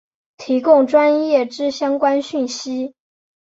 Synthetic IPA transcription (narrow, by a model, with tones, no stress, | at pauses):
t̪ʰi˧˥kʊ˥˩ŋʈ͡ʂwa˥njɛ˥˩ʈ͡ʂɻ̩˥ɕjɑ˥ŋkwa˥nɕy˥˩nɕi˥